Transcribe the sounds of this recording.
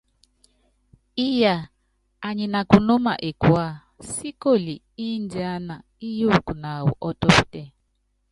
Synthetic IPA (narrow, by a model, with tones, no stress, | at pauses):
i˦jaː˨ | ɲi˨na˨ku˨no˦ma̰˨ʔe˨kwa˦˨ | si˦ko˦˨li˨ | i˦n˦d͡ʒa˦na˨ | i˦ju˦˨ku˨na˨wṵ˨ʔɔ˦tɔ˦pi˦tɛ˦˨